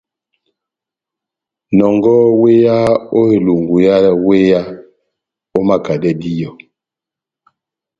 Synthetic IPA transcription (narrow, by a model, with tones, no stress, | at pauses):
nɔ˨ŋɡɔ˦we˦ja˦o˦e˨lu˨ŋɡu˨ja˦we˦ja˦ | o˦ma˦ka˨dɛ˦di˦jɔ˨